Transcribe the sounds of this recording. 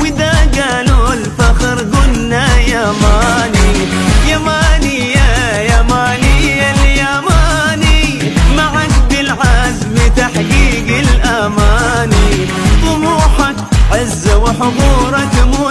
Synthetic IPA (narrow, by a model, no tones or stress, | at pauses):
wɪd̪aɡaːnulfaxɾɡʊnːajamaːni | jamaːnɪjːa | jamaːnɪjaljamaːni | maʕakbɪlʕazbɪt̪aħɡiːɡɪlʔamaːni | t̪ˤʊmuːħa | ʕɪzːawɪħʊd̪uːɾˤɑkmu